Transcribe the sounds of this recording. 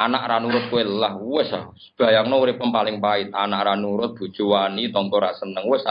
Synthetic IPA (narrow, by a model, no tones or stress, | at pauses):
anaʔɾanuɾʊt̪̚kwelahwɪsasə̥b̥a̤jaŋnouɾɪpənpalɪŋpaɪt̪̚a̰naʔɾanuɾʊt̪̚b̥ṳ̥t͡ʃuwanit̪ɔŋkɔɾaʔsənəŋwɪsa